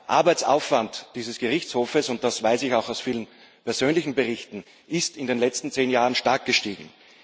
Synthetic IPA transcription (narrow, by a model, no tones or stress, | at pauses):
ʔa̰ɐbaɪt͡sa̰ʊfv̥antd̥iːzəsɡ̥əʁɪçt͡shoːfəsʊnt̚d̥asv̥aɪsɪçaʊxaʊsfiːlən | pɛɐzøːnlɪçn̩bəʁɪçtn̩ | ʔɪstɪndeːnlɛt͡stn̩t͡seːnjaːʁənʃtaɐk̚ɡ̥əʃtiːɡŋ̩